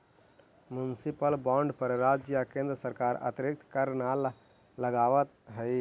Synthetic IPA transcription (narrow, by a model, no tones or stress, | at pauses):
mjunsipəlbɔ̃ɳɖpəɾɾad͡ʒjakẽnd̪ɾəsəɾkaːɾə̰t̪ɾik̚t̪ʰkəɾnal | ləɡaːʋət̪̚ɦə